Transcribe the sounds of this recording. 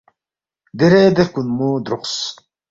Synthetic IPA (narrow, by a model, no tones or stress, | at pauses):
d̪eɾed̪ekunmud̪ɾuqs